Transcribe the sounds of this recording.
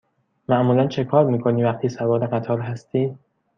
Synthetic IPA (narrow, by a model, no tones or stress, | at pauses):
mæʔmuːlænt͡ʃʰe̞kʰɒːɾmiːkʰo̞niːvæqt̪ʰiːsævɒːɾeɢæt̪ʰɒːɾɦæst̪ʰiː